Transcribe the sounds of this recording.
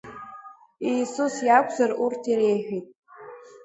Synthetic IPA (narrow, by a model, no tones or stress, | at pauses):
ijsusjakʷʰzarurtʰiɾejħᶣijtʼ